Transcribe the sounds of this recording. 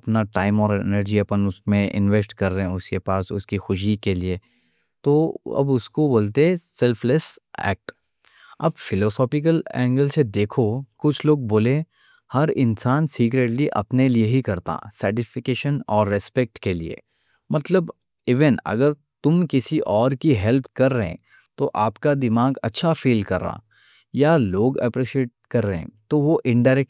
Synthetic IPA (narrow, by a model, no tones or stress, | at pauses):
ɐpnaʈaːɪmɔːɾḛnəɾd͡ʒiɐpənʊsmẽʔɪ̰̃nʋesʈkɐɾːɐɦɛ̃ʊskepaːsʊ̰skixʊʃ̬ikelie | t̪oɐ̰bʊskoboːlt̪eɦɛ̃sɛlfʰlesɛ̰ːk̚ʈ | ɐbfɪlɔːsɔːpɪk̬əlɛ̰̃ːŋɡəlsed̪eːkʰokʊt͡ʃʰloːɡ̚boːle | hɐɾɪnsaːnsiːkɾeːʈliʔɐ̰pnelieɦikɐɾt̪a̰sɐːɾʈɪfɪkeːʃənɔːɾːɛspɛk̚ʈkelḭḛː | mɐt̪ləb | ɪʋenɐ̰ɡəɾ | t̪ʊmkɪsiʔɔːɾkiɦɛlp̚ʰkɐɾːəɦḛ̃ | t̪oʔaːpkad̪ɪmaːɡɐ̰tːʃʰafiːlkɐɾːa̰ː | jaloːɡɐ̰pɾiːʃieːʈ̚kɐɾːəɦḛ̃t̪oʋoʔɪ̃ɳɖaːɾɛk̚